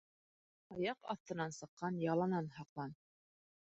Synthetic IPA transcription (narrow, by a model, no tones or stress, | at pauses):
ɑjɑqɑ̰θt̪ɤ̆nɑnsɤ̆qːɑnjɑlˠɑnɑnhɑqlˠɑn